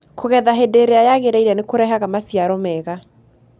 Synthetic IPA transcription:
koɣɛðaɦedeɾeajaɣeɾaiɾɛnekoɾɛɦaɣamasiaɾɔmɛɣa

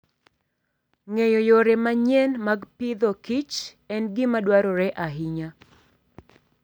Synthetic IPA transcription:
ŋejojoɾemaɲɛnmaɡpɪd̪ɔkit͡ʃ | ɛnɡɪmadwaɾɔɾɛʔaɦɪɲa

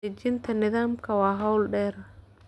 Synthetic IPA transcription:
ɛd͡ʒɪnt̪ʰɐnɪðaːmkʰɐwɑːɦɐwlɖɛːr

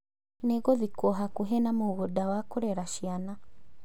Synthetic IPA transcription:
neɣoðikɔɦakuɦɛnamoɣodawakoɾɛɾaʃiana

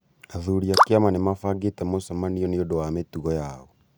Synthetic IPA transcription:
aðuɾiakeamanemafaɡetɛmosamaniɔneodowametuɣɔjaɔ

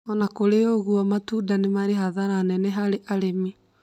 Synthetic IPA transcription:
ɔnakoɾeoɣuɔmatudanemaɾeɦaðaɾanɛnɛɦaɾeʔaɾemi

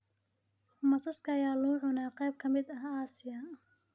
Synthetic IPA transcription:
mɐsɐskʰɐːjaːlʊʕʊnaːqɑjb̚kʰɐmɪd̪ɐɦaːsɪjɐ

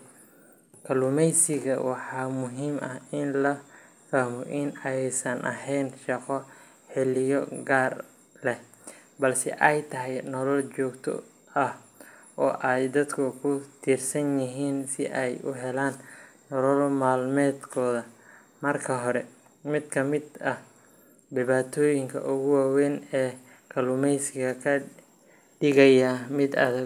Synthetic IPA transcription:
kʰɐlʊmɛjsɪɣɐ̰wɑħɑːmʊɦiːmʔɐhɪnlɐ | faːmɔʔɪnɛjsɐnʔɐ̰hɛjnʃɑqɔ | ħɪlɪjɔɡaːr | lɛh | bɐlsɛ̰ʔɛjt̪ʰɐɦɛjnɔlɔlt͡ʃɔːɡt̪ʰɔ̰ | ɐhʔɔːʔɛjd̪ɐd̪kʰʊkʰʊt̪ʰiːrsɐnjɪɦiːnsɪʔɛjʊɦɛlaːnː | ɔlɔlmaːlmɛːd̪kʰɔːðɐ | mɐrkʰɐɦɔɾɛ | mɪd̪kʰɐmɪd̪ɐh | dɪβaːt̪ʰɔːjɪŋkʰɐ̰ʔʊɣʊwaːwɛːnɛː | kʰɐlʊmɛjsɪɣɐkʰɐ | ɖɪɣɐjɐmɪd̪ɐ̰ðɐ

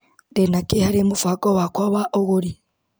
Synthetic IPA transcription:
denakehaɾemufakʼɔwakwaβaʔoɣoɾi

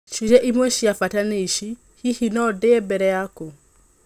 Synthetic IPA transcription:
t͡ʃud͡ʒɛʔimweʃiafataneiʃi | hihinɔdeebɛɾɛjako

